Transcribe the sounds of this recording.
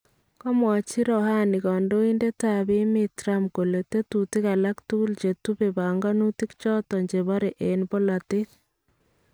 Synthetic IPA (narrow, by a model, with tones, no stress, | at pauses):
kɔ˦mwɔ˨t͡ʃi˦ɾɔ˨ha˦ni˨kɔ˨ndo˦i˦nde˦ta˨βi˦metɾa˦mko˨le˨te˦tuti˦ka˨la˦ktu˦ɣu˦lt͡ʃe˨tu˦βe˨βa˨ŋɡa˦nu˦ti˦kt͡ʃɔ˦tɔ˨ɲd͡ʒe˨βɔ˦ɾe˨ʔe˨nbo˦la˨ti˦t